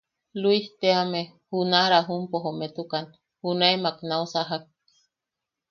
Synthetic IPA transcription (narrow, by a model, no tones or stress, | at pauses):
luiht̪eame | hunaɾaɦumpoɦomet̪ukan | hunaemaknausaɦak̚